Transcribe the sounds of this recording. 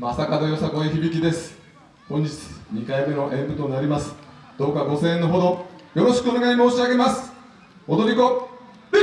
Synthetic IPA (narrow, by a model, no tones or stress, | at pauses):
masakad̪ojosakoeçibʲikʲid̪e̞sɨ̥ | kõɲ̟d͡ʑit͡sɨ̥ɲikaimenoʔẽ̞ŋɡɯ̟t̪o̞naɾʲimasɨ̥ | d̪̥o̞ːkaɡo̞sẽ̞ːnːoɦo̞d̪o̞jo̞ɾo̞ɕi̥kɯ̟one̞ɡaimo̞ːɕiaɡe̞masɨ̥ | od̪o̞ɾʲiko